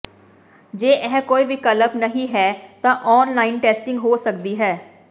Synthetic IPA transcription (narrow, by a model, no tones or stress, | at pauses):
d͡ʒeːʔɛːkoːiːʋikələpnəɦĩːɦɛːt̪ãːʔɔːnlaːinʈɛːsʈɪ̃ŋɡɦoːsəkd̪iːɦɛː